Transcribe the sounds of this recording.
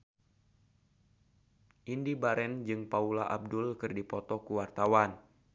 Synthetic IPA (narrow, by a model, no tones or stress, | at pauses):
ʔindibaɾɛnd͡ʒɨŋpaulaʔab̚dʊlkɨrdipɔt̪ɔkuwart̪awan